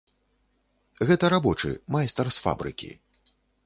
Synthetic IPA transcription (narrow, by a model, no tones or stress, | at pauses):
ɣɛt̪ɐɾabɔt͡ʂɨ̰majst̪ɐrsfa̰bɾɨ̰kʲḭ